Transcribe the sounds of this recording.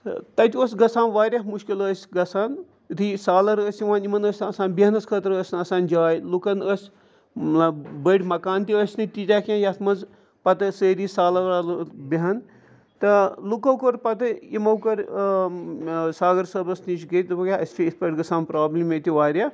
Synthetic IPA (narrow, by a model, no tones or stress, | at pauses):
t̪ɐt̪ʲoːsʲɡɐsaːnʋaːɾjɐmuʃkiləsʲɡɐsaːn | t̪ʰisaːlɐɾəsʲiʋaːnimɐnəsʲnɐsaːnbiɦɐnɐsʲkʰət̪ɾəsʲnɐsaːnd͡ʒaːjlukɐnəsʲ | bəʈʲmɐkaːnt̪iəsʲnɨt̪it̪ʲaːkʲãjɐt̪ʰmɐnz | pɐt̪ɐsəːɾiːsaːlɐɾaːlbiɦɐn | t̪ɐlukɐwkoɾpɐt̪ɨimɐwkɐɾ | saːɡɐɾsɐbɐsnit͡ʃɡɐt̪bɐkʲaɐsʲt͡ʃʰʲiispɐʈɡɐsaːnpɾaːblimet̪ʲiʋaːɾʲja